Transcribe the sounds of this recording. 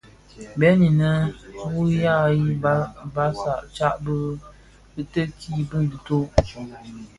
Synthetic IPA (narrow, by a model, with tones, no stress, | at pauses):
bɛ˨˦ni˨nə˦wu˦ja˦ji˦bba˦sa˨ʔt͡ʃa˦ʔbɨ˦ | bɨ˦tə˦kʰiː˦bɨ˦n˨dɨ˨to˦ʔ